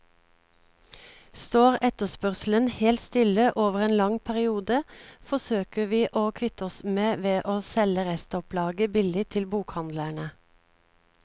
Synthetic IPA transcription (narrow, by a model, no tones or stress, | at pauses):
st̪oːʁɛt̪əspœʁsl̩ənheːlt̪st̪ɪləʔoːʋəʁeːnlɑŋpʰæʁɪuːd̪əfɔsøːkəʋiːʔoːkʰʋɪt̪ɔsmeːʋeːʔoːsɛləʁɛst̪ɔplɑːɡəbɪlɪt̪ʰɪlbuːkhɑnd̪læɳə